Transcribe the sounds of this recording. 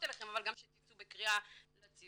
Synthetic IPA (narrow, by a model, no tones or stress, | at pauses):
t̪elaχemavalɡamʃet̪it͡subekʁialat͡si